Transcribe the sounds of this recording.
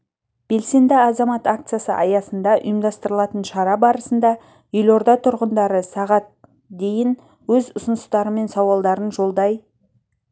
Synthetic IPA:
b̥e̞lse̞nd̪ɪɑzɑmɑt̪akt̪sɨjasə̰ʔɑjɑsənd̪ɑʔʊ̰jəmd̪ɑst̪əɾəlˠɑt̪ənʃɑɾɑbɑɾəsənd̪ɑ | ʏlo̞ɾd̪ɑt̪ʰʊɾʁənd̪ɑɾəsɑʁɑt̪̚ | d̪e̞jɪn | wɵzʊsʊnəst̪ɑɾəme̞nsɑwɑlˠd̪ɑɾənʒo̞lˠd̪ɑj

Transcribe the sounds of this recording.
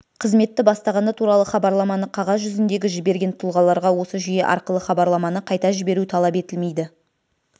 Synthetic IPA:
qʰəzme̞t̪ːɪbɑst̪ɑʁɑnd̪ɑt̪ʰuɾɑlˠəχɑbɑɾlˠɑmɑnəqʰɑʁɑsʒʏzɪnd̪e̞ɡʲɪʒɪbe̞ɾɡʲe̞nt̪ʰʊlˠʁɑlˠɑɾʁɑwo̞səʒije̞ʔɑ̰ɾqəlˠəχɑbɑɾlˠɑmɑnəqʰɑjt̪ɑʒɪbe̞ɾut̪ʰɑlˠɑpe̞t̪ɪlme̞jd̪ɪ

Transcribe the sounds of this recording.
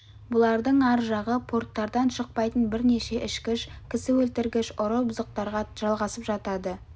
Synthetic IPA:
bʊlˠɑɾd̪əɴɑɾʒɑʁəpʰo̞rt̪ːɑɾd̪ɑnʃəq̚pɑjt̪ənbɪɾne̞ʃe̞ʔɪʃkʲɪʃkʲʰɪsɪwɵlt̪ɪɾɡʲɪʃʊɾəbʊzəq̚t̪ɑɾʁɑʒ̥ɑlˠʁɑsəpʒɑt̪ɑd̪ə

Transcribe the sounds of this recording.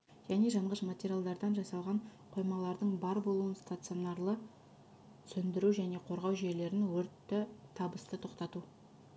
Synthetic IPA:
ʒ̥æne̞ʒɑɴʁəʃmat̪ʲeɾʲjalˠd̪ɑɾd̪ɑnʒɑsɑlˠʁɑɴqʰo̞jmɑlˠɑɾd̪əɴbɑɾbo̞lˠuənst̪at̪sɨonɑɾlˠə | sɵnd̪ɪɾuʒæne̞qʰo̞ɾʁɑwʒe̞le̞ɾɪnwɵɾt̪ːɪt̪ʰɑbəst̪ət̪ʰo̞qt̪ɑt̪u

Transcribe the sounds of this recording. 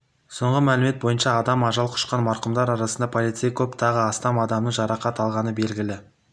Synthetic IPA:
so̞ɴʁəmælɪme̞t̪̚bo̞jənʃɑːd̪ɑmɑʒɑlˠqʰʊ̥ʃqɑnmɑɾqəmd̪ɑɾɑɾɑsənd̪ɑpʰolˠit̪sɨjakʲʰɵpt̪ʰɑʁəɑst̪ɑmɑd̪ɑmnəɴʒɑɾɑqɑt̪ɑlˠʁɑnəbe̞lɡʲɪlɪ

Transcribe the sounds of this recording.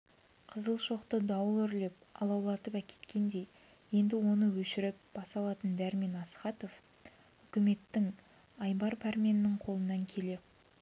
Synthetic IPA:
qʰəzəlˠʃo̞qt̪əd̪ɑwəlˠʏɾle̞p̚ɑ̰lˠɑwlˠɑt̪əpækʲe̞̥t̪kʲe̞nd̪e̞j | je̞nd̪ɪwo̞nəwɵʃɪɾɪp̚b̥ɑsɑlˠɑt̪ənd̪æɾme̞nɑsχɑt̪o̞f | ʏkʲɪme̞t̪ːɪŋ | ɑjbɑɾpʰæɾmʲenɪːɪŋqʰo̞lˠənɑŋkʲʰe̞le̞

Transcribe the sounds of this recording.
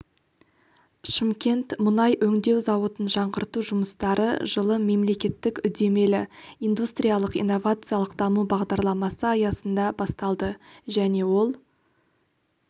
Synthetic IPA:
ʃɪmkʲe̞nt̪mʊnɑjʔɵŋd̪e̞wzɑwət̪ənʒɑɴʁəɾt̪uʒʊməst̪ɑɾə̰ʒ̥əlˠəme̞mle̞kʲe̞t̪ːɪkʏd̪e̞me̞lɪijnd̪ust̪ɾʲijalˠəqḭjnːo̞vat̪sɨjalˠəqd̪ɑmubɑʁd̪ɑɾlˠɑmɑsəɑjɑsənd̪ɑbɑst̪ɑlˠd̪əʒæne̞wo̞lˠ

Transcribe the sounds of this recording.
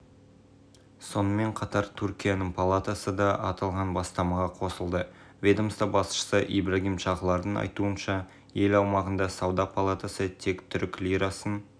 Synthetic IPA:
so̞nəme̞ɴqʰɑt̪ɑɾt̪ʰʉɾkʲijanəɴpʰalˠat̪asəd̪ɑʔɑt̪ɑlˠʁɑnbɑst̪ɑmɑʁɑqʰo̞səlˠd̪ə | vʲe̞d̪o̞mst̪ɑbɑsʃə̥səʔijbraɡʲimʃɑʁəlˠɑɾd̪əɴɑ̰jt̪uənʃɑ | je̞lɑwmɑʁənd̪ɑsɑwd̪ɑpʰalˠat̪asət̪ʰe̞kt̪ʰʏɾkʲlʲijɾasən

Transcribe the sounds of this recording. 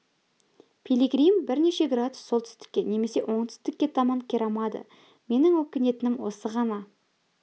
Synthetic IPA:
pʰilʲiɡɾijmbɪɾne̞ʃe̞ɡrad̪ʊ̥sːo̞lˠt̪ʰʏ̥st̪ɪ̥kʲːe̞ne̞me̞se̞ʔo̞ɴt̪ʰʏ̥st̪ɪkʲːe̞t̪ʰɑmɑŋkʲʰeɾɑmɑd̪ə̰ | me̞nɪŋwɵkʲɪne̞t̪ɪnɪmwo̞̰səʁɑnɑ

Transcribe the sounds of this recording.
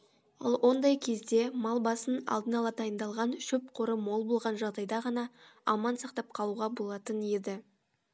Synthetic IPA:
ɑ̰lˠwʔo̞nd̪ɑjkʲʰe̞zd̪e̞mɑlˠbɑsənɑ̰lˠd̪ənɑlˠɑd̪ɑjənd̪ɑlˠʁɑnʃɵp̚qʰoɾəmo̞lˠbolˠʁɑnʒɑʁd̪ɑjd̪ɑʁɑnɑɑmɑnsɑqt̪ɑp̚qʰɑlˠuʁɑbo̞lˠɑt̪ənje̞d̪ɪ

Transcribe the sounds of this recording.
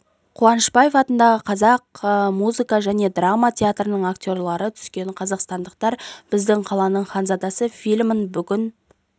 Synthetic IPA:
qʰuɑnəʃpajefɑt̪ənd̪ɑʁəqʰɑzɑqmuzɨkɑʒæne̞d̪ramat̪ʲʰe̞at̪ɾənəɴaktʲo̞rlˠɑɾət̪ʰʏ̥skʲe̞ɴqʰɑzɑqst̪ɑnd̪əq̚t̪ɑɾb̥ɪzd̪ɪɴqʰɑlˠɑnəɴχɑnzɑd̪ɑsəfʲilʲmənbʏɡʲɪn

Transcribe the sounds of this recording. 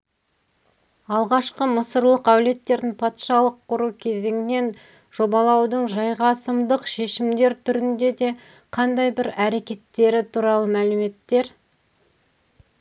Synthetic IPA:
ɑlˠʁɑʃqəməsəɾlˠəqæwle̞t̪ːe̞ɾd̪ɪŋpʰɑt̪ʃɑlˠəqʰːʊɾukʲʰe̞ze̞ŋɪne̞n | ʒ̥o̞bɑlˠɑwd̪əɴʒɑjʁɑsəmd̪əqʃe̞ʃɪmd̪e̞ɾt̪ʰʏɾɪnd̪e̞d̪e̞ | qʰɑnd̪ɑjbɪɾæɾe̞kʲe̞t̪ːe̞ɾɪt̪ʰuɾɑlˠəmælɪme̞t̪ːe̞ɾ

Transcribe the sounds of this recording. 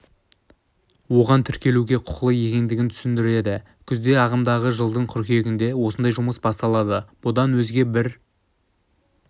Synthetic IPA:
wo̞ʁɑnt̪ʰʏɾkʲe̞luɡʲe̞qʰʊ̥qlˠəje̞kʲe̞nd̪ɪɡʲɪnt̪ʰʏsɪnd̪ɪɾe̞d̪ɪ | kʲʰʏzd̪e̞ɑʁəmd̪ɑʁəʒəlˠd̪əɴqʰʏɾkʲe̞ɡʲɪnd̪e̞wo̞sənd̪ɑjʒʊməsbɑst̪ɑlˠɑd̪əb̥ʊd̪ɑnwɵzɡʲe̞bɪɾ

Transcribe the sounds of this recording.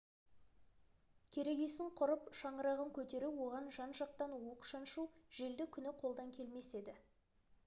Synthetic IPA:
kʲʰe̞ɾe̞ɡʲe̞sɪɴqʰʊɾəpʃɑɴəɾɑʁəŋkʲʰɵt̪e̞ɾuwo̞ʁɑnʒɑnʒɑq̚t̪ɑnoəqʃɑnʃuʒ̥e̞ld̪ɪkʲʰʏnɪqʰo̞lˠd̪ɑŋkʲʰe̞lme̞se̞d̪ɪ

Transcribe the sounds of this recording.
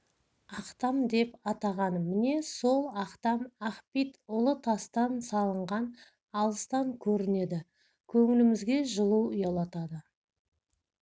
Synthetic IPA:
ɑqt̪ɑmd̪e̞pɑt̪ɑʁɑnmɪne̞so̞lˠɑqt̪ɑmɑχpit̪ʊlˠət̪ʰɑst̪ɑnsɑlˠəɴʁɑn | ɑlˠəst̪ɑŋkʲʰɵɾɪne̞d̪ɪ | kʲʰɵŋɪlɪmɪzɡʲe̞ʒəlˠuʊjɑlˠɑt̪ɑd̪ə

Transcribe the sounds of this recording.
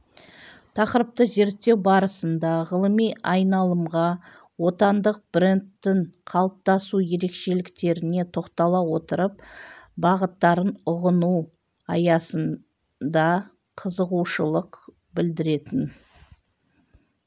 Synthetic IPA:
t̪ʰɑqəɾəp̚t̪əʒe̞ɾtt̪ːe̞wbɑɾəsənd̪ɑʁəlˠəmijɑjnɑlˠəmʁɑ | wo̞t̪ɑnd̪əq̚b̥ɾent̪ːɪŋqʰɑlˠəp̚t̪ɑsuje̞ɾe̞kʃe̞lɪkt̪e̞ɾɪne̞t̪ʰo̞qt̪ɑlˠɑwo̞t̪əɾəpbɑʁət̪ːɑɾənʊʁənu | ɑjɑsən | d̪ɑ | qʰəzəʁuʃəlˠəq | bɪld̪ɪɾe̞t̪ɪn

